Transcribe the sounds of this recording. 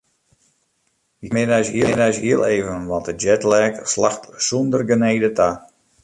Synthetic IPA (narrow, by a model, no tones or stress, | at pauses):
jəmɪnɛjshiədɛjsɦiəlˠeːvənʋɔtəd͡ʒɛtlɛːkslaxtsundərɡəneːdətʰa